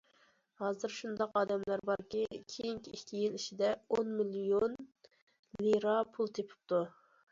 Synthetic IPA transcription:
hɑːzɨɾʃund̪ɑqɑːd̪ɛmlæɾbɑɾkʲikʲʰejiŋkʲʰiikʲʰːijiliʃid̪ɛonmilijon | liɾɑpʰulˠt̪ʰepʰɪ̥p̚t̪u

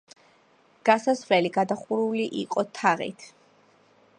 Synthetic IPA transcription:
ɡ̥asasvlɛliɡad̪aχuɾuliʔḭqʼɔt̪ʰaʁḭt̪ʰ

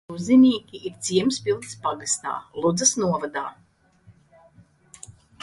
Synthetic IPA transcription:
uzinʲiːkʲiʔiɾt̪siɛmspilˠt̪spaɡast̪a̰ːlˠud̪zɐsnuɔvad̪aː

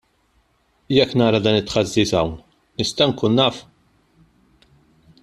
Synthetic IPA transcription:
jɛkːnɐːɾɐd̪ɐːnɪt̪ːħɐzːiːsɐwn | nɪst̪ɐŋkuːnːɐːf

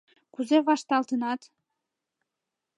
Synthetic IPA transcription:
kuzeβɑʃt̪ɑlt̪ənɑt̪

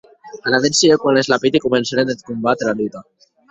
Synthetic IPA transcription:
alaðensiekwanlezlapit̪ikumensaɾenet̪kumbat̪ɾealut̪a

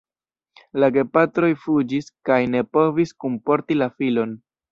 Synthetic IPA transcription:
laɡe̞patɾo̞jfud͡ʒiskajne̞po̞viskumpo̞ɾtilafilo̞n

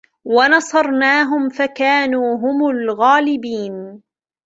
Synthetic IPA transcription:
wanɑsˤɑɾˤnaːɦʊmfakaːnuːɦʊmʊlɣaːlɪbiːn

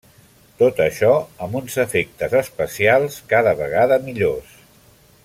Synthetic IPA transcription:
t̪ot̪əʃɔəmbunzəfek̚t̪əzəspəsialˠskaðəβəɣ̞aðəmiʎos

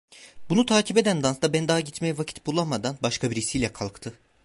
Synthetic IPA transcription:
bunut̪ʰaːcʰipe̞d̪ænd̪ansd̪abɛnd̪aːɟit̪mejɛvacʰit̪̚bulˠamad̪anbaʃkʰabiɾisijlʲɛkʰalˠkt̪ʰɯ

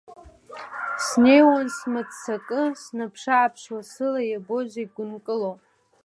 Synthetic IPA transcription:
sne̞jwansmɨt͡sʼsakʼɨsnapʰʂaːpʰʂwasɨlajabo̞ʒʷaɡʷʊnkʼɨlopʼ

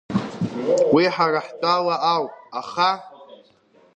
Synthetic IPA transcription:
wiħaraħtʼalaʔawaχa

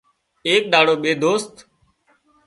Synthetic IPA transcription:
eːk̚ɗ̪aːɽoːɓeːd̪oːst̪

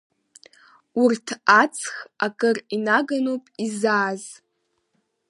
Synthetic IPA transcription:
urtʰat͡sʰxakʼɨrinaɡanopʼizaːz

